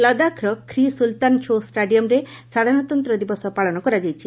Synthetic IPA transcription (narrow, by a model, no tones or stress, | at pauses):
lɔd̪akɾɔkʰɾisult̪ant͡ʃʰosʈaɖijɔmɾesad̪ʱaɾñɔt̪ɔnt̪ɾɔd̪ibʋɔsɔpaɭɔnɔkɔɾad͡ʒajt͡ʃʰi̥